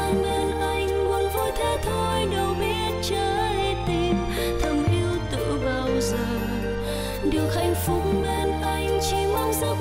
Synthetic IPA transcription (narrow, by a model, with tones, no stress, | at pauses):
a˧ɓe˧nʔa˧˩jŋ̟mu˨˦ənvo˧˦jt̪ʰe˧˥t̪ʰo˧jɗə˨˩wɓi˧˦ət̚t͡ɕəː˧˩le˧t̪i˧m | t̪ʰə˧˩mʔi˧əwt̪ɨ̰˧˨vaː˧wzəː˨˩ | ɗɨ˨˩əwxha˧˩jŋ̟fʊ˨˦k͡p̚ɓe˧˩nʔa˧jŋ̟t͡ɕi˧˩ma˧˦wŋ͡mzə˧˦